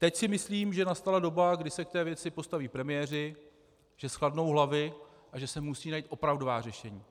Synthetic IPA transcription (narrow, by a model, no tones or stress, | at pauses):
t̪ɛcsɪmɪsliːmʒɛnast̪alado̞baɡdɪsɛk̚t̪ɛːvjɛt͡sɪpo̞st̪aviːpɾɛmɪjɛːr̝ɪ | ʒ̥ɛsxladno̞wɦlavɪ | ʔaʒɛsɛmusiːnajiːt̪ʔo̞pɾavdovaːr̝ɛʃɛɲiː